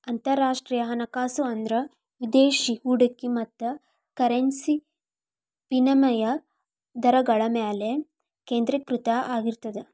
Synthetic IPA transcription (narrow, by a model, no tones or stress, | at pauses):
ɐnt̪ɐɾːaːʂʈɾiːjɐɦɐnɐkaːsuɐnd̪ɾɐ | ʋid̪eːʃihuːɖɐkːimɐt̪ːɐ | kɐɾensi | pinɐmɐjɐ | d̪ɐɾɐɡɐɭɐmeːle | keːnd̪ɾɐkɾut̪ɐʔaːɡiɾt̪ɐd̪e